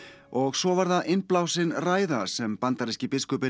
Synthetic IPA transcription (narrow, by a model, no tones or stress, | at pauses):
ɔɣsɔvaɾðaðʔɪnplawsɪnraːjðasɛmpant̪aɾɛscɪpɪskʏpɪ